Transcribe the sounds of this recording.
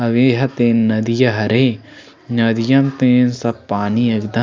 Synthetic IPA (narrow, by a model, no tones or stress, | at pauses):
ɐʋeːɦɐt̪eːnːɐd̪ijɐɦɐɾeː | nɐd̪ijɐmt̪eːnsɐbpːaːnijɐɡd̪ɐ